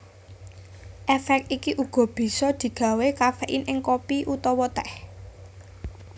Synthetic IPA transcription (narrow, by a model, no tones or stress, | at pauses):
ʔɛfɛk̚t̪ikiʔuɡ̥ɔ̤b̥i̤sɔd̪̥i̤ɡ̥ä̤wekafeʔinʔɪŋkopiʔut̪ɔwɔt̪ɛh